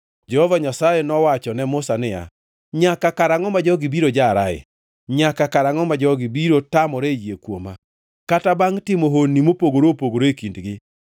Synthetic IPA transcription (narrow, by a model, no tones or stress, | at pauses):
d͡ʒɛhɔvaɲasajenɔwat͡ʃɔnɛmʊsanɪja̰ | ɲakakaɾaŋɔmad͡ʒɔɡɪbiɾod͡ʒaɾaɪ̰ | ɲakakaɾaŋɔmad͡ʒɔɡibiɾotamɔɾejekwoma | katabaŋtɪmoɦonːimopoɡoɾopoɡoɾoekindɡɪ